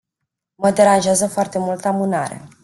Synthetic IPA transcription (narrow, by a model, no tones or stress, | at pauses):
məd̪e̞ɾanʒeazəfoart̪e̞mult̪amuna̰ɾe̞̰